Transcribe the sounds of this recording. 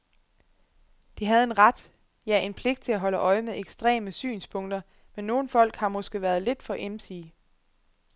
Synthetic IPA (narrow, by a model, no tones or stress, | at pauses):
d̥iɦæð̞̩ˠe̝nʁad̥ | jæʔe̝npʰle̝ɡ̥d̥̚t͡sʰe̝læɦɒ̽ləʔɒ̽ɪmeðˠeɡ̥sd̥ʁɛ̰ːməsy̰ːnspʰɔ̽ŋ̰d̥ɐ | menːo̝ːn̩fɒ̽l̰ɡ̥hɑ̈mɒ̽sɡ̥e̝ʋæɐð̞ˠle̝d̥fɒ̽ʔemsiː